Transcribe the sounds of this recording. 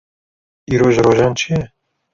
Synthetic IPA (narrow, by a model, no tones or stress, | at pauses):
iːɾoʒɾoːʒaːnt͡ʃʰijɛ